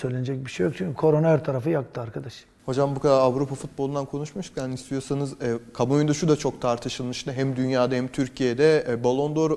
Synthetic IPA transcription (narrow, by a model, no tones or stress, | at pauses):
søjlʲened͡ʒɛc̚biʃejok̚t͡ʃʰyɲcʰʲykʰo̞ɾonɛɾt̪ʰaɾafɯjak̚t̪ʰɯaɾkʰad̪aʃ | ho̞d͡ʒambukad̪aɾavɾupʰafut̪̚bolˠund̪ankʰo̞nuʃmuʃcʰʲanist̪ʰijo̞sanɯzɛːkʰamujund̪aʃud̪at͡ʃʰo̞k̚t̪ʰaɾt̪ʰɯʃɯlˠmɯʃnaɦæmd̪ynjaːd̪ahɛmt̪ʰyɾcʰijed̪ɛbolˠo̞nd̪oɾ